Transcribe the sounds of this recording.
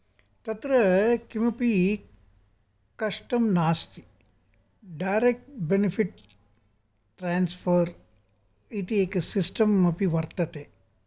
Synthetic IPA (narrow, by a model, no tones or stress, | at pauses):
t̪ɐt̪ɾɐkimɐpi | kɐʃʈɐmnaːst̪i | ɖajɾek̚ʈbenipʰiʈ̚ | ʈɾaːnspʰɐɾ | it̪ieːksisʈɐmɐpiʋɐɾt̪ɐt̪e